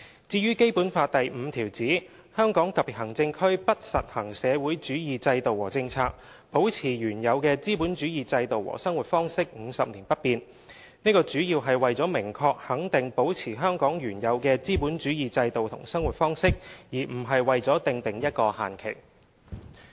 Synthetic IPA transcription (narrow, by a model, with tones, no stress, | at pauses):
t͡siː˧jyː˥ke˥jpuː˨˥nfaː˧t̚t̪ɐ˨jm̩˨˧t̪ʰiː˨˩wt͡siː˨˥ | hœː˥ŋkɔː˨˥ŋt̪ɐ˨pːiː˨˩hɐ˨˩ŋt͡sɪ˧ŋkʰɵ˥ɥpɐ˥t̚sɐ̰˨t̚hɐ˨˩ŋsɛː˨˧wuː˨˥jt͡ʃyː˨˥jiː˨t͡sɐ˧jt̪o˨wːɔ̰ː˨˩t͡sɪ˧ŋt͡sʰaː˧k̚ | po˨˥wt͡sʰiː˨˩jyː˨˩njɐ˨˧wkɛː˧t͡siː˥puː˨˥nt͡ʃyː˨˥jiː˨t͡sɐ˧jt̪o˨wɔ̰ː˨˩sɐ˥ŋwu˨˩t̚fɔː˥ŋsɪ˥k̚ŋ̩˨˧sɐ˨p̚niː˨˩npɐ˥t̚piː˨˧n | niː˥kɔː˧t͡ʃyː˨˥jiː˧wɦɐ˨jwɐ˨jt͡sɔː˨˥mɪ˨˩ŋkʰɔː˧k̚hɐ˨˥ŋt̪ɪ˨ŋpo˨˥wt͡sʰiː˨˩ɦœː˥ŋkɔː˨˥ŋjyː˨˩njɐ˨˧wkɛː˧t͡siː˥puː˨˥nt͡ʃyː˨˥jiː˨t͡sɐ˧jt̪o˨wt̪ʰʊ̰˨˩ŋsɐ˥ŋwu˨˩t̚fɔː˥ŋsɪ˥k̚jiː˨˩m̩˨˩ɦɐ˨jwɐ˨jt͡sɔː˨˥t̪ɪ˨ŋt̪ɪ˨ŋjɐ˥t̚kɔː˧ha̰ː˨nkʰḛ˨˩ŋ